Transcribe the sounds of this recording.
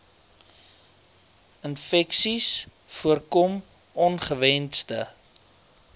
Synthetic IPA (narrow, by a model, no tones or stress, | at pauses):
ənfɛksis | fuərkɔm | ɔnχəvɛnstə̰